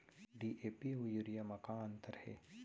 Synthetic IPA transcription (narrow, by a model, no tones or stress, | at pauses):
ɖiːʔeːpiujuɾijamɐkaɐ̃nt̪əɾhɛ̰ː